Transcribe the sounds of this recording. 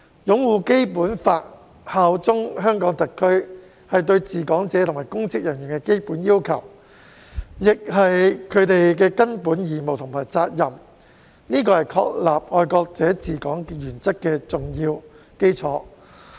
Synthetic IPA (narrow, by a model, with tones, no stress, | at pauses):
jʊ˨˧˥ŋwuː˨ke˥jpuː˨˥nfaː˧t̚ | haː˨˥wt͡sʊ˥ŋhœː˥ŋkɔː˨˥ŋt̪ɐ˨kʰːɵ˥ɥ | hɐ˨jt̪̬ɵ˧ɥt͡siː˨kɔː˨˥ŋt͡sɛː˨˥t̪ʰʊ˨˩ŋmaː˨˩jkʊ˥ŋt͡sɪ˥k̚jɐ˨˩njyː˨˩nkɛ˧ke˥jpuː˨˥njiː˥wkʰɐ˨˩w | jɪ˨k̚ɦɐ˨jkʰɵ˨˧ɥt̪e˨jkɛː˧kɐ˥npuː˨˥njiː˨˩mo˨wt̪ʰʊ˨˩ŋmaː˨˩jt͡saː˧t̚jɐ˨m | niː˥kɔː˧hɐ˨jkʰɔ̰ː˧k̚laː˨p̚ŋɔː˨˧jkɔː˧k̚t͡sɛː˨˥t͡siː˨kɔː˨˥ŋjyː˨˩nt͡sɐ˥tkːɛː˧t͡sʊ˨ŋjiː˧w | ke˥jt͡sʰɔː˨˥